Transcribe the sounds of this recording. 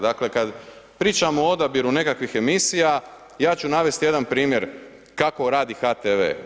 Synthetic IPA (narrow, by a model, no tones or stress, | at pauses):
d̪akle̞kad̪ | pɾiːt͡ʃamoood̪abiɾune̞kakʋixe̞misija | jaːt͡ʃunaʋe̞st̪ije̞d̪anpɾiːmjeɾ | kako̞ɾaːd̪ixaːt̪eʋḛː